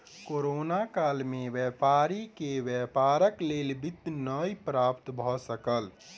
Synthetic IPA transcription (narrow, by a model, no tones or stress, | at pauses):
koɾonakalmeʋjɛpaɾikeʋjəpaɾəklelbit̪ːnəjpɾapt̪bʱɔsəkəl